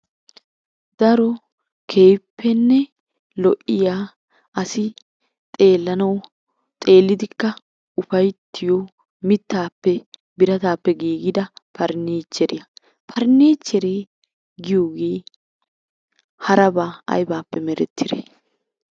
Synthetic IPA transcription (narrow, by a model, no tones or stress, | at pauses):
d̪ɐɾɔ | kʰeːjpːɛnːɛ | lɔʔɪjaː | ɐsɪ | t̪ʼe̞ːlːɐnɐw | t̪ʼe̞ːlːɪd̪ɪkːɐ | ʊfɐjt̪ʰːɪjɔ | mɪt̪ːaːpːɛ | bɪɾɐt̪aːpːɛɡiːɡɪd̪ɐpʰɐɾneːt͡ʃːɛɾɪjɐ | pʰɐɾneːt͡ʃːɛɾeː | ɡɪjoːɡeː | hɐɾɐbaːɐ̰jbaːpːɛmɛɾɛt̪ːɪɾḛ